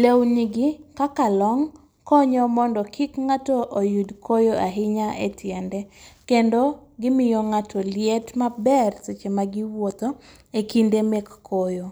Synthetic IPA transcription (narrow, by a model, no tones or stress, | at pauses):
lewniɡɪkakalɔŋ | kɔɲɔmɔndɔkʰikŋatɔʔojudkʰojoʔaɦɪɲaʔetʰjɛndɛkendoɡɪmɪjɔŋatʰɔljɛtmabɛrset͡ʃemaɡɪwot̪o | ekindemekːojo